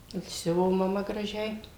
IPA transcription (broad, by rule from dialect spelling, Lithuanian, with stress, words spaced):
ɪr ˈsʲʊʋoː mɐˈmɐ ɡrɐˈʒʲɛɪ